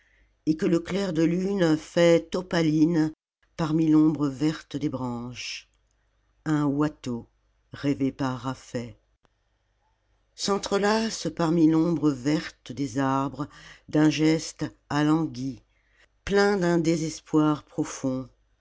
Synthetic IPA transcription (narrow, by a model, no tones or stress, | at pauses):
ekələklɛʁd̪əlynfɛt̪ɔpalin | paʁmilɔ̃bʁəvɛʁt̪əd̪ebʁɑ̃ʃ | ɛ̃wat̪o | ʁɛvepaʁːafɛ | sɑ̃t̪χəlaspaʁmilɔ̃bʁəvɛʁt̪d̪ezaʁbʁəd̪ɛ̃ʒɛst̪ | alɑ̃ɡʲi | plɛ̃d̪ɛ̃d̪ezɛspwaʁpχɔfɔ̃